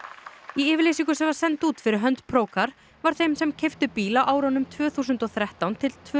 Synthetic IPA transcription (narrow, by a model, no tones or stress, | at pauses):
iɪːvɪɾlesiŋkʏsɛmvaɾ̥sɛnt̪uːt̪fɪɾɪɾɦœnt̪pʰɾoːwkaɾ̥ | vaɾ̥θejmsɛmcʰejft̪ʏpiːlawʔaːwɾanʏmt̪ʰvœːθuːsʏnt̪ɔθɾɛht̪awnt̪ʰɪlt̪ʰː